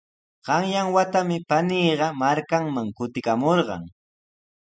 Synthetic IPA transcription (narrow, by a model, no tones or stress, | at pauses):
ɢ̥ɑŋjaŋwat̪amɪpaniːɢɑmaɾkaŋmaŋkʊt̪ɪkamoɾɢɑ̰ŋ